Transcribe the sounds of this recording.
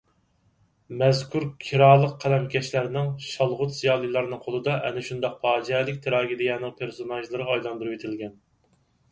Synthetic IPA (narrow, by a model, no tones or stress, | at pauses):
mɛzkʰuɾkʲʰiɾɑːlˠəqqʰːælɛmɡʲɛʃlæɾnɪŋʃɑlˠʁʊt̪zijɑːlˠɨjlˠɑɾnɨŋqʰolˠɨd̪ɑʔɛ̰nɪʃund̪ɑq̚pʰɑːd͡ʒɛlɪk̚ʲt̪ʰeɾɑːɡʲid̪ɪjɛːnɪŋpʰeɾsonɑʒlˠɨɾɨɑjlˠɑnd̪ɨɾɨwet̪ʰɪlɡʲɛn